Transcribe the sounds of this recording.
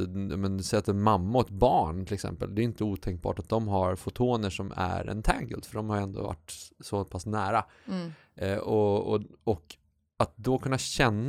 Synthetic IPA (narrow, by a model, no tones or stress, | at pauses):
jmɛnsɛjat̪ɛnmamːaɔɛt̪̚bɑːɳt̪ɪlɛksɛ̰mpə̰ld̪ɛːɾɪnt̪əuːt̪ʰɛŋk̚bɑ̰ːʈat̪̚d̪ɔmɦaɾfʊt̪ʰoːnəʂɔmæ̰ɾɛ̰nt̪ʰæ̰ŋɡə̰ld̪fœɖɔmhaɾjɛnd̪o̰va̰ʈːsɔpʰasnæːɾa | ɛʔɔɔɔk | at̪̚d̪ɔkʰɵnːaɕɛnː